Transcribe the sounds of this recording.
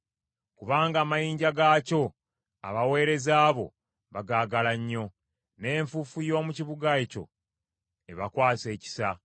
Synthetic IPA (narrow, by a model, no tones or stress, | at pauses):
kuβaːŋɡaːmajiːɲɟaɡaːco̞ | a̰βawe̞ːɾe̞zaːβo̞̰ | βaɡaːɡalaɲːo̞ | ne̞ːɱfufujo̞ːmuciβuɡaeco̞̰ | e̞βakwaːse̞ːci̥sa